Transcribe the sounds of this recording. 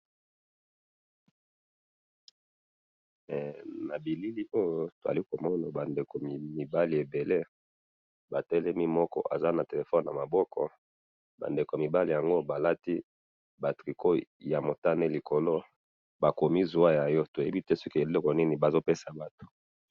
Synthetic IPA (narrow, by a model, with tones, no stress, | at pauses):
na˨bi˨li˦li˦ʔo˦jo˦to˨za̰˨li˦ko˨mɔ˦na˨ba˨nde˨ko˨mi˨mi˨ba˦li˨e˨be˨le˦ | ba˨tɛ˦lɛ˦mi˦mɔ˦kɔ̰˦ʔa̰˨za˦na˨te˨le˨fɔ˦n˨na˨ma˨bɔ˦kɔ̰˨ | ba̰˨nde˨ko˨mi˨ba˦li˨ja˨ŋɡo˦ba˨la˦ti˦ | ba˨tʁi˨kʰo˦ja˨mo˨ta˦ne˦li˨ko˨lo˦ | ba˨ko˨mi˦zu˨a˦ja˨jɔ˦to˨je˦bi˦tɛ˦so˦ki˦e˨lɔ˦kɔ˨ni˦ni˨ba˨zo˦pe˦sa˨ba˦to̥˨